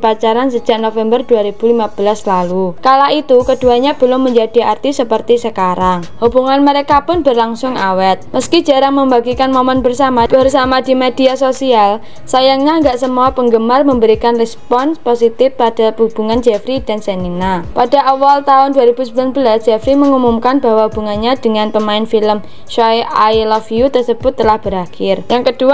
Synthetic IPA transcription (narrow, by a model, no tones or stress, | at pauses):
pat͡ʃaɾansə̥d͡ʒ̥aʔnofɛmbərduaɾib̥ṳlimab̥əlaslalukalaʔit̪ukəd̥ṳaɲab̥ə̤lʊŋməɲd͡ʒad̥iart̪isəpərt̪isəkaɾaŋhub̥uŋanməɾekapʊnbərlaŋsʊŋawɛt̪̚məski̥d͡ʒaɾaŋməmbaɡikanmomɛnbərsamab̥ərsamadi̤mediasosial | sajaŋɲaəŋɡaʔsəmuapəŋɡəmarməmbəɾikanrɛspɔnsposit̪ɪfpad̥a̤pəɦub̥uŋand͡ʒɛfɾid̥ansɛninapada̤ʔawalt̪aʊnduaɾib̥usəbulanbəlasd̥d͡ʒ̥ɛfɾiməŋumumkanba̤waɦub̥ṳŋanɲad̥əŋanpəmaɪnfiləm | ʃɔeʔajlɔfiut̪ərsəb̥ʊt̪ːəlahb̥əɾahɪrjaŋkəd̥ua